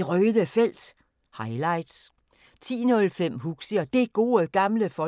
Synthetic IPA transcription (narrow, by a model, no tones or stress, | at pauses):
ʁœːðˠəfel̰d̥ | hɑ̈ɪlɑ̈ɪ̰d̥s | t͡sʰḭːnɔ̽lfem̰ɦuɡ̥səɐd̥e̝ɡ̥o̝ːɡ̥ɑ̈mləfɒ̽